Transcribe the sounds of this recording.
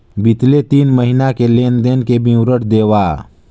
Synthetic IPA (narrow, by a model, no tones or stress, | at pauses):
bɪt̪let̪iːnməɦinakeleːnd̪eːnkebʱĩʊɾəʈd̪eːʋaː